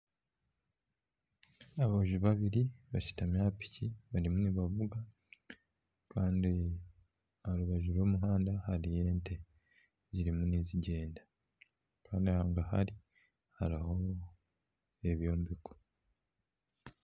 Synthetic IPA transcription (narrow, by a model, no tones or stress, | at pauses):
aβahuʒuβaβiɾiβaʃi̥tamjaːpi̥cʰiβaɾimuniβavuɡa | kaːndi | aɾuβaʒuɾwo̞ːmuɦaːndahaɾijeːntʰe̞ | ziɾimuniːziɟe̞ːnda | kaːndiahaːŋɡaha̰ɾi | haɾaho̞ | eβjo̞ːmbiko̥